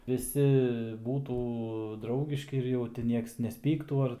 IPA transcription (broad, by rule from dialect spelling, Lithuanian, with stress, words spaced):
ʋʲɪˈsʲɪ ˈbuːtuː ˈdrɐʊɡʲɪʃʲkʲɪ ɪr jɛʊ tʲɪ ˈnʲiɛks nʲɛsʲˈpʲiːktuː ˈɐr